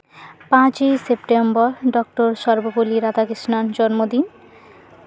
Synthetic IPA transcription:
pãt͡ɕesepʈembɔɾɖɔk̚ʈoɾʃɔɾboboliɾad̪akɾiʃnant͡ɕɔɾmod̪in

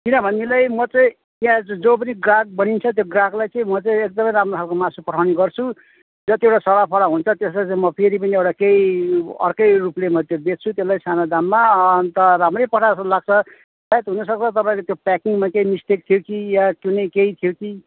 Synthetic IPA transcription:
kinʌbʱʌnːilajmʌt͡sʌĩ | jãd͡zopʌniɡraɡ̚bʌnint͡sʰʌt̪̬joɡraɡlajt͡sãĩmʌt͡sʌĩek̚d̪ʌmʌjɾamrot̪ʰalkomasupʌʈʰawniɡʌrt͡sʰu | d͡zʌt̪iewʈasʌɽapʰʌɾaɦunt͡sʰʌt̪eslajt͡saĩmʌpʰeɾip̬ʌniewʈakeiʌ̰rkʌjruplemʌt̪jobett͡sʰut̪eslajsanad̪amːant̪ʌɾamrʌjpʌaslaɡ̚t͡sʰʌ | sajet̪ɦunʌsʌk̚t͡sʰʌt̪ʌpãkot̪jopakiŋɡmakeimist̪ek̚t̪ʰijokijakjunʌjkeit̪ʰijoki

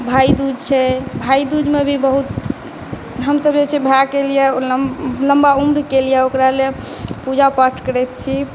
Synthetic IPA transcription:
bʱaid̪ud͡ʒʱt͡ʃʰɛbʱaid̪ud͡ʒmebʱibəɦut̪ | ɦəmsəbd͡ʒet͡ʃʰɛbʱakelijɛ | ləmbaumɾkelijɛokɾale | pud͡ʒʱapaʈʰkəɾɛt̪̚t͡ʃʰi

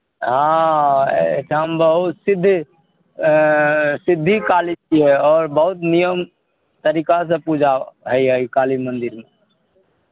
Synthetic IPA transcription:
ɦã̰ | tʰəmbəɦut̪sɪd̪ʱː | sɪd̪ʱːikalit͡ʃiɛɔːɾbəɦut̪nijəm | t̪əɾikas̬ẽpud͡ʒʱaɦəiɦəikalimənd̪iɾme

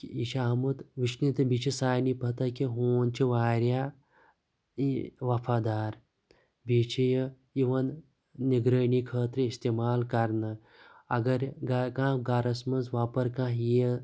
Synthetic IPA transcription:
kiʃamut̪ʋiʃnit̪ɐbiːt͡ʃʰisaːjnipɐɦt̪akiɦoːnt͡ʃiʋaːɾja | iʋɐpʰaːd̪aːɾ | biːt͡ʃʰijɐ | iʋɐnː | iɡɾəjɳikʰəːt̪ɾɐist̪eːmaːlkɐɾnɐ | ɐɡɐɾɡakãːɡaːɾɐsmɐnsʋaːpɐɾkãːijə

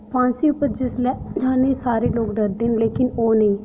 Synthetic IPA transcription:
pʰãːnsiːʊpəd͡ʒɪslɛːd͡ʒãːneːsaːɾeːloːɡɖəɾd̪eːnleːkɪnoːnəĩː

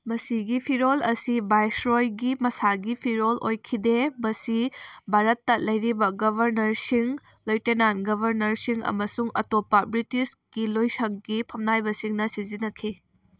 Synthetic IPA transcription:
mɐsiɡipʰiɾolɐsibajsɾojɡimɐsaɡipʰiɾolojkʰidebɐsibʱaɾɐtːɐlɐjɾibɐɡɐbʱɐɾnɐɾsiŋ | lojtenanɡɐbʱɐɾnɐɾsiŋɐ̰mɐsuŋɐ̰topɐbɾitisɡ̥ilojsɐŋɡipʰɐmnajbɐsiŋnɐsizinɐkʰi

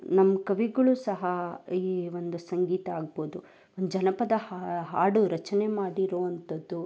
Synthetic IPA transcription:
nɐmːɐkɐʋiɡɐɭusɐɦɐiːʋond̪usɐŋɡiːt̪ɐaːɡ̚boːd̪u | ond̪ud͡ʒɐnɐpɐd̪ɐhaɦaːɽuɾɐt͡ʃɐnemaːɽiɾoːʋɐnt̪ɐd̪ːu

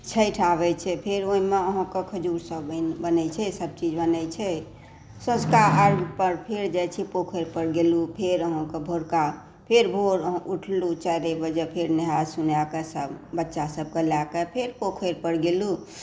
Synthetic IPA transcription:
t͡ʃʰəjʈʰabɛt͡ʃʰɛpʰeɾoimeəɦɔ̃kekʰəd͡ʒuɾsəbbənɛt͡ʃʰɛsəb̚t͡ʃid͡ʒbənɛt͡ʃʰɛ | sə̃skaaɾɡpəɾpʰeɾd͡ʒajt͡ʃʰipokʰeɾpəɾɡelupʰeɾəɦɔ̃kebʱoɾka | pʰeɾbʱoɾəɦʔuʈʰlut͡ʃajɾebəd͡ʒəpʰeɾneɦad͡ʒsunjakesəbbətːʃasəb̚kəlakepʰeɾpokʰəɾpəɾɡelu

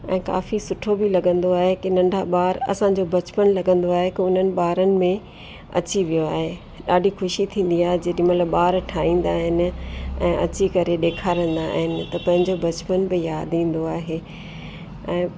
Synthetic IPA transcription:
ɛ̰̃ːka̰ːfisʊʈʰobilɐɡə̃nd̪oaːɦekɪnɐ̃ɳɖʱaɓaːɾɐ̰sãɲ̆d͡ʑobɐt͡ɕpənlɐɡə̃nd̪oaːɦekɪʊn̤ənɪ̆ɓaːɾənɪ̆mẽ | ɐ̰t͡ɕiʋijoaːɦe | ɗaːɖʱixʊʃit̪ʰĩːn̆d̪iaːɦed͡ʑɐɗĩmɐt̪ləbɓaːɾʈʰaːĩːn̆d̪aːɦɪnɪ̆ɛ̰̃ːʔɐ̰t͡ɕikɐɾeɗeːkʰaːɾə̃nd̪a̰ːɦɪnɪ̆t̪ɐpɐ̃ɦɪ̃ɲd͡ʑobɐt͡ɕpənbɪjaːd̪ĩːn̆d̪oaːɦeː | ɛ̃ː

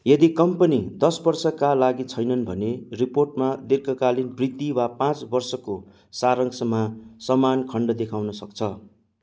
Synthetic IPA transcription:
jʌd̪ikʌmpʌnid̪ʌsbʌrsʌkalaɡit͡sʰʌjnʌnbʱʌneriporʈmad̪erkʌkalinbrit̪ːiwapãt͡sbʌrsʌko | saɾʌŋsʌmasʌmankʰʌɳɖʌd̪ekʰawnʌsʌkt͡sʰʌ

